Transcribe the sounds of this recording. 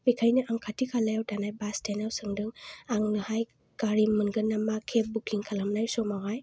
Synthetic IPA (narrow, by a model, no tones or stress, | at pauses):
bikʰajnɯʔaŋkʰatʰikʰalajawdanajbastenawsɯŋdɯŋaŋnɯhaj | kaɾimɯnɡɯnamakʰep̚bukliŋkʰalamnajsɔmaŋaj